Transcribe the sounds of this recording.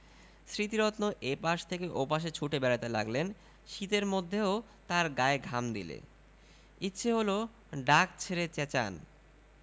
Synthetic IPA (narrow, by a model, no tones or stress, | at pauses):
sɾit̪iɾɔt̪noʔepaʃt̪ʰekeʔopaʃ̬et͡ɕʰuʈebɛɾat̪elaɡlen | ʃit̪eɾmod̪ʱːeo | t̪aɾɡaeɡʱamd̪ḭlḛ | itːɕʰeɦolo | ɖak̚t͡ɕʰeɾet͡ɕɛt͡ɕa̰n